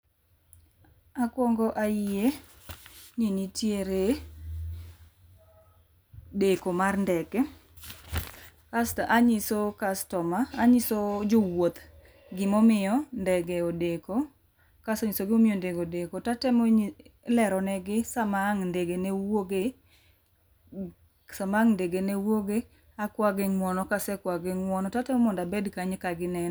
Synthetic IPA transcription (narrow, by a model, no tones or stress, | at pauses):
akwɔŋɡɔʔaɪje | ɲinitjeɾe | dekomarndɛɡɛ | kastʔaɲɪsokastɔmaːɲɪsod͡ʒʊwot̪ | ɡɪmɔmɪjɔndɛɡeodeko | kasɔɲɪsoɡɪomɪjondeɡodekotatɛmɔɲlɛɾɔnɛɡɪsamaŋndeɡenewoɡe | samaŋndeɡenewoɡe | akwaɡɪŋmɔnɔkasɛkwaɡɪŋwɔnɔtatɛmɔmɔndabɛdkaɲkaɡɪnɛ